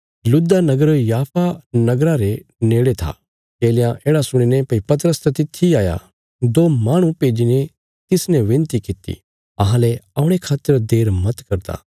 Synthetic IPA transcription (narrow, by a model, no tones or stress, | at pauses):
lʊd̪anɐɡəɾjaːpʰanɐɡɾaɾeneːɽet̪ʰa̰ | keːljãʔeːɽasʊɽ̃inɛpɐipɐt̪̬ɾəst̪ɛt̪ɪt̪ʰːiaːja̰ | d̪oːmaːɽ̃ũpeːd͡ʒine | t̪ɪsnɛ̃ʋɪ̃nt̪ikɪt̪ḭ | ɐɦãlɛɐʊɽ̃ekʰaːt̪ːəɾd̪eːɾmɐt̪kɐɾd̪a̰ː